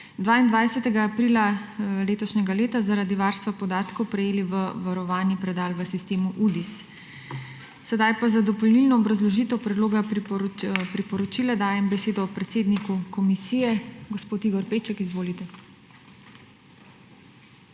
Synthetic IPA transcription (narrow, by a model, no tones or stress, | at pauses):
d̪ʋaːind̪ʋajsɛt̪ɛɡaːpɾiːlaleːt̪ɔʃnɛɡaleːt̪azaɾaːd̪iʋaɾst̪ʋapɔd̪aːt̪kɔwpɾɛjeːliʋəʋaɾɔʋaːnipɾɛd̪aːlʋəsist̪eːmuʔud̪is | sɛd̪ajpazad̪ɔpɔlnilnɔːbɾazlɔʒiːt̪ɔwpɾɛd̪loːɡa | pɾipɔɾɔt͡ʃiːlad̪aːjɛmbɛseːd̪ɔːpɾɛt̪seːd̪nikukɔmisijɛɡɔspoːt̪iɡɔɾpeːt͡ʃɛkizʋoːlit̪ɛ